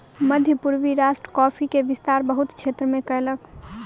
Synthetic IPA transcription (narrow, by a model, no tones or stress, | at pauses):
məd̪ʱjəpuɾʋiɾasʈɾəkɔpʰikeʋɪst̪aːɾbəɦut̪kt͡ʃʰet̪ɾəmẽkəɦlək